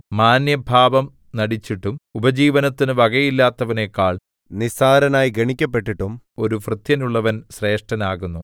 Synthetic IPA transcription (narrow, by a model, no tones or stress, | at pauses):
maːnjɐbʱaːʋɐm | nɐɽit͡ɕːiʈːumubɐd͡ʑiːʋɐnɐt̪ːinɨʋɐɣɐjilːaːt̪ːɐʋɐne̞kːaːɭ | nisaːɾɐnaːjiɡɐɳikʲːɐpːe̞ʈːiʈːum | o̞ɾufrɨt̪jɐnuɭːɐʋɐnɕre̞ːʂʈɐnaːɣunːu